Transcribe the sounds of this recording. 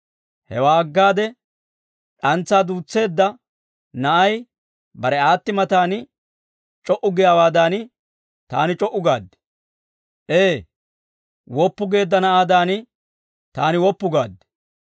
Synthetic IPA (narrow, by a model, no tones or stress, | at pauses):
hɛ̰waːɐɡːaːd̪ɛ | ᶑɐnt͡sːaːd̪uːt͡sːe̞ːd̪ːɐ | nɐʔɐj | bɐɾɛaːt̪ːɪmɐt̪aːnɪ | t͡ʃʼɔʔʊɡɪjaːwaːd̪aːnɪ | t̪a̰ːnɪt͡ʃʼɔʔːʊɡaːd̪ːɛ̥ | ʔeː | wɔpːʊɡe̞ːd̪ːɐnɐʔaːd̪aːnɪ | t̪aːnɪwɔpːʊɡaːd̪ː